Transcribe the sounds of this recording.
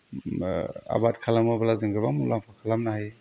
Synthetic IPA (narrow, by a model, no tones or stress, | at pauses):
a̰bat̚kʰalamɯbalazɯŋɡɯbamulʔaŋpʰakʰalamnahaj